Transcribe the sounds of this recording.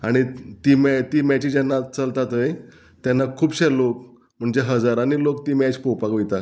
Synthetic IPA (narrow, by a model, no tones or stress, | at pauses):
aɽ̃it̪iːmt̪iːmæt͡ɕiːd͡ʑɛnːat͡səlt̪at̪əj | t̪janːakʰuːbɕelok | m̤əɳd͡ʑeɦəd͡zaɾañilokt̪iːmɛt͡ɕpowpakʋit̪a